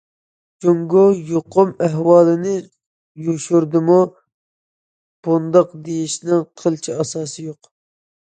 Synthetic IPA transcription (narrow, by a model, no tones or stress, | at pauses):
d͡ʒoŋɡojoqʰʊmæɦwɑːlˠɨnɪ | joʃuɾd̪ɪmu | b̥und̪ɑqd̪ejiʃnɪŋqʰəlˠt͡ʃʰiɑsɑːsɨjoq